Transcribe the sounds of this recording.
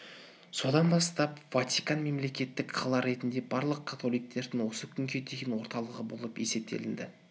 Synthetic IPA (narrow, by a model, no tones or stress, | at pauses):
so̞d̪ɑnbɑst̪ɑpvat̪ʲijkɑnme̞mle̞kʲe̞t̪ːɪkqʰɑlˠɑɾe̞t̪ɪnd̪e̞bɑɾlˠəq̚kʰat̪ʰo̞lijk̚t̪ʰe̞ɾd̪ɪŋwo̞səkʲʰʏŋkʲet̪ʰeɡʲɪnwoɾt̪ɑlˠəʁəbo̞̰lˠəpe̞se̞p̚t̪ʰe̞̰lɪnd̪ɪ